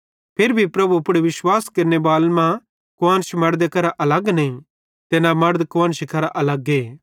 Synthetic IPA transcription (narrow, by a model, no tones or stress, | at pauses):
pʰeːɾbʱipɾɐbuɐpɽeʋɪʃwaːskɐɾnebaːlmã | koãːnʃmɐɾd̪ekɐɾaʔɐlɐɡnĩ | t̪enãmɐɾd̪kʊãnʃikɐɾaʔɐlɐɡeː